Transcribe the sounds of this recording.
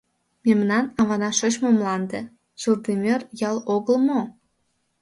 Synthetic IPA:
memnɑnɑβɑnɑʃot͡ɕmomlɑnd̪e | z̥urd̪emʲørjɑloɣəlmo

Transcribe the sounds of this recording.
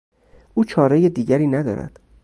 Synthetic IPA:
ʔuːt͡ʃʰɒːɾejed̪iːɟæɾiːnæd̪ɒ̰ːɾæ̰d̪̥

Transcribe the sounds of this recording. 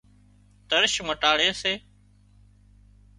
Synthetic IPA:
t̪əɾʃməʈaːɽeːseː

